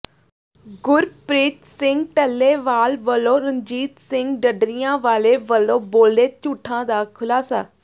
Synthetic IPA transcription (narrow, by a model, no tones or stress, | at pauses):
ɡʊɾpɾeːt̪sɪ̃ŋɡʈəlːeːʋaːlʋəlːõːɾəɲd͡ʒiːt̪sɪ̃ŋɡɖəɖɾijãːʋaːleːʋəlːõːboːld̪eːt͡ʃuːʈʰːãːd̪aːkʰʊlaːsaː